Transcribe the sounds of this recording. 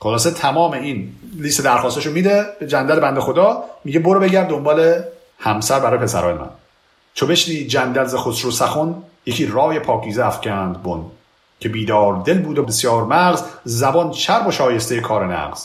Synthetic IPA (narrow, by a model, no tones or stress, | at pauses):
χolɒːset̪ʰæmɒːmeinlist̪ed̪æɾxɒːst̪eʃomiːd̪ebed͡ʒænd̪ælebænd̪exod̪ɒːmiɟeboɾobe̞ɟæɾd̪ːo̞mbɒːle̞ | hæmsæɾbæɾɒːjepʰesæ̰ɾɒːjemæ̰n | t͡ʃʰobe̞ʃniːd͡ʒænd̪ælzexosɾosæxonjecʰiːɾɒːjepʰɒːcʰiːzeæfcʰænd̪bon | cʰe̞biːd̪ɒːɾd̪e̞lbuːd̪obesjɒːɾmæɣzzæbɒnt͡ʃʰæɾboʃɒːje̞st̪ejekʰɒːɾenæ̰ɡz̥